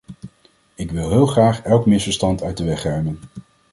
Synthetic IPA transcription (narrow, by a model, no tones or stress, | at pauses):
ɪkʋɪlˠɦɪːlˠχraːχɛlˠkmɪsfəɹstɑntœɥtdəʋɛχɛɹmən